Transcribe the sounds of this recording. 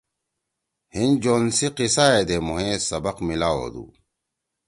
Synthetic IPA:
hind͡ʑoːnsiqisaːed̪emuɦẽːsɐbɐqmilaːo̰ːd̪ṵː

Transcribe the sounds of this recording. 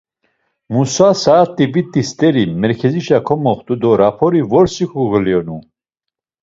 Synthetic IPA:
musasaːt̪ʼibit̪ʼist̪ʼɛɾimɛɾkʰɛziʃakʰɔmɔχt̪ʼud̪ɔɾapʰɔɾivɔɾsixuɣəljɔnu

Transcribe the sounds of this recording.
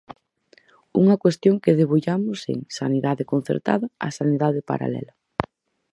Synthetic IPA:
uŋɐkwest̪joŋkeðeβuʎamʊsḛŋsaniðaðekon̟θḛɾt̪a̰ðɐa̰saniðaðepa̰ɾa̰lɛ̰lɐ

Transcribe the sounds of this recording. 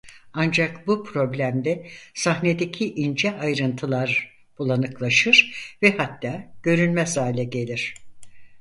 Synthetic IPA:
and͡ʒakbupʰɾo̞blʲæmd̪ɛsaɦne̞d̪e̞cʰiʔind͡ʒɛajɾɯnt̪ʰɯlˠaɾ | b̥ulˠanɯklˠaʃɯɾ̥vɛhat̪ːaːɟ̥ø̞ɾynmɛsaːlʲɛɟe̞lʲiɾ̝̥

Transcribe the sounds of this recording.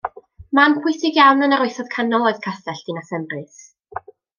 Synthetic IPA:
mankʰwɪθɪɡjawnənaɾoɨθɔð̥kʰanɔlˠɔɨð̥kʰaθɛɬd̥inasɛmrɨθ

